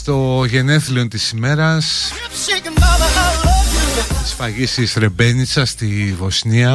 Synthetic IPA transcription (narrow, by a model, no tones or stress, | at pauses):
st̪o̞ʝe̞ne̞θlio̞nt̪isime̞ɾɐs | t̪ispɐʝisisɾe̞be̞nit͡sɐst̪ivo̞sniɐ